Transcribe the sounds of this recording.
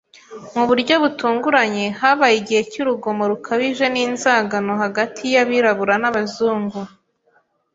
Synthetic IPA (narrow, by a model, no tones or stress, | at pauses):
muβuɾɟo̞βutuːŋɡuɾaɲe̞haβajiɟihe̞cuɾuɡo̞mo̞ɾukʰaβiʒe̞niːnzaːɡano̞haɡatʰijaβiɾaβuɾanaβazuːŋɡu